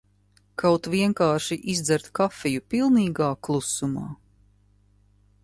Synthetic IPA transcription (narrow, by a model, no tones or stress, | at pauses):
kʰawt̪vʲiɛŋkaːɾʃiʔizd̪zæɾt̪kafɛjupilˠniːɡaːklˠusuma̰ː